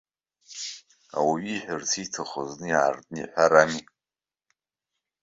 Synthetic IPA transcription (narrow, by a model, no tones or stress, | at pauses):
a̰waɥiħʷᶣʊrsʰitʰɨχoznɨjaːrdʼnɨḭħʷaɾamikʼ